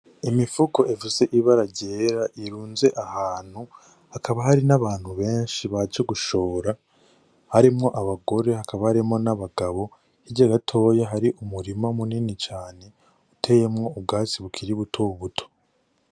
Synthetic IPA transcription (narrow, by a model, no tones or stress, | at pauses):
imifuko̞ʔevuze̞ʔiβaɾaɟeːɾaʔiɾuːnze̞ʔahaːn̥hu | hakʰaβaɦaɾinaβaːn̥huβe̞ːnʃiβad͡ʒoɡuʃo̞ːɾa | haɾimŋo̞ʔaβaɡo̞ɾe̞hakaβahaɾimŋo̞naβaɡaβo̞ | hiɟaɡatʰo̞ːjaɦaɾiʔumuɾimamuninit͡ʃaːne̞ | utʰe̞jemŋo̞ub̚ɡaːt͡siβukʰiɾiβutʰoβutʰo̞̥